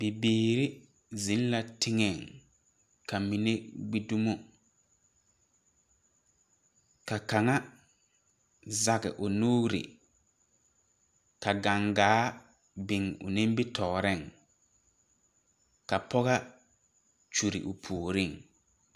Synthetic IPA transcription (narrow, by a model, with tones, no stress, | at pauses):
b̥e˨biː˨ɾɪ˦ | zi˨˦n˦la˨tʰɪ˦ŋɛ˨ŋ | kʰa˨mi˨ne˦ɡ͡bi˦du˦mo˦ | ka˨ka˨ŋa˦ | za˨ɣɪ̰˨ʔʊ˨no˦ɾḭ˨ | ka˨ɡa˨ŋɡaː˨˦ | bɪ˨ŋʊ̰˨nɪ̃˦m˦bɪ˦tʰɔː˨ɾɪ˦˨ŋ | ka˨pʰɔ˦ɣa˦ | t͡ʃu˨ɾɪ̰˨ʔʊ˨pʰoː˨ɾɪ˦˨ŋ